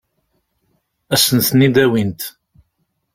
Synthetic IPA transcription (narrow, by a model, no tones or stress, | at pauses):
æsənθnid̪æwint̪